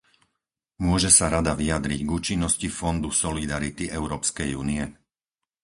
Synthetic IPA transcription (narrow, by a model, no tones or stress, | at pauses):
mʊɔʒɛsaɾad̪aʋiad̪ɾiɟɡuːt͡ʃinːɔscifɔnd̪usɔlid̪aɾit̪iɛʊɾɔːpskɛjuːniɛ